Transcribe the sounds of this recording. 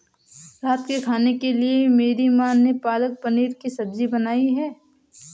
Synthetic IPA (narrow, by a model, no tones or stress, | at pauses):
ɾaːt̪kekʰaːnekeliemeːɾimaːnːepaːlək̚pɐniːɾkisɐbd͡ʒibɐnaːiɦɛː